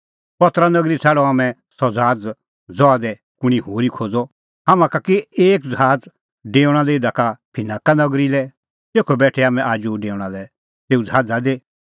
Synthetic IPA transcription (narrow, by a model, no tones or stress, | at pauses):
pɐt̪ɾanɐɡɾit͡sʰɛːɽɔ̃aːmɛ̃ | sɔd͡zʱaːd͡z | d͡zɔad̪ɛ | kʊɽ̃iɦoːɾikʰoːd͡zɔ | amãkakeeːkd͡zaːd͡z | ɖeːʊɽ̃alɛɪd̪akapʰɪnãːkanɐɡɾilɛ | t̪eːkʰobɛːʈʰɛaːmɛ̃ʔaːd͡ʒuɖeːʊɽ̃alɛ | t̪eːud͡zʱaːd͡zad̪eː